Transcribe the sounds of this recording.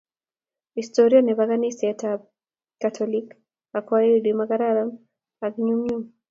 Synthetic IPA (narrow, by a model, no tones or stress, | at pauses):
histɔɾianiβaɣanisatʰab | kːatʰɔlik | akwaidimaɡaɾaɾam | akɲumɲum